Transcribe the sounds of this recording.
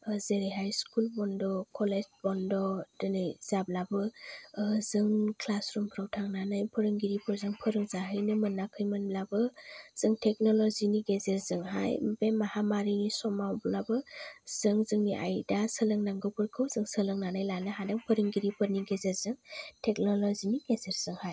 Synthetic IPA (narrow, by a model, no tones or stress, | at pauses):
zeɾeɦajskulbɔndɔkʰɔled͡ʒbɔndɔdɯnɯjzablabɯ | zɯŋkʰlasɾumpʰɾawtʰaŋnanajpʰɯɾɯŋɡiɾipʰɯɾzɯŋpʰɯɾɯŋzaɦɯjnɯmɯnːakʰɯjmɯnblabɯz̥ɯŋtʰek̚nɔlɔziniɡezeɾzɯŋɦajbemahamaɾinisɔmawblabɯz̥ɯŋzɯŋniʔa̰jdasɯlɯŋnaŋɡɯpʰɯɾkʰɯwzɯŋsɯlɯŋnanajlanɯɦadaŋpʰɯɾɯŋɡiɾipʰɯɾniɡezeɾzɯŋtʰek̚nɔlɔziniɡezeɾz̥ɯŋhaj